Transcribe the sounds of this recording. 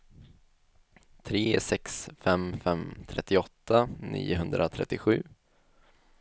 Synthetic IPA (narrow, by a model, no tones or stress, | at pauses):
t̪ʰɾeːsɛksfɛmfɛmt̪ʰɾɛt̪ːɪɔt̪ːanḭːʊɦɵnd̪ɾat̪ʰɾɛ̰t̪ːɪɧʉ̟ː